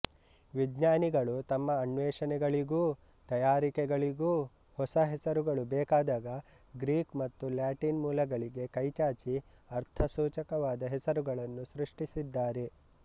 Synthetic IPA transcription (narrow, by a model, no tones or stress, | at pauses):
ʋid͡ʒɲaːniɡɐɭut̪ɐmːɐːɳʋɛːʂɐnɛɡɐɭiɡuː | t̪ɐjaːɾikɛɡɐɭiɡuː | hɔsɐɦɛsɐɾuɡɐɭubɛːkaːd̪aːɡɐ | ɡɾiːkmɐt̪ːuljaːʈinmuːlɐɡɐɭiɡe̞kɐjt͡ʃaːt͡ʃi | ɐɾt̪ʰɐsuːt͡ʃɐkɐʋaːd̪ɐɦɛsɐɾuɡɐɭɐnːusɾuʂʈisid̪ːaːɾe̞